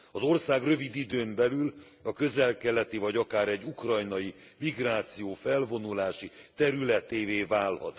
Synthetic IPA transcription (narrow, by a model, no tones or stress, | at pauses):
ɒzo̞rsaːɡrø̞vid̪id̪øːmbɛlyl | ɒkø̞zɛlkɛlɛt̪ivɒɟɒkaːɾɛɟːukrɒjnɒji | miɡraːt̪sijoːfɛlvo̞nulaːʃit̪ɛɾylɛt̪eːveːvaːlhɒ̰t̪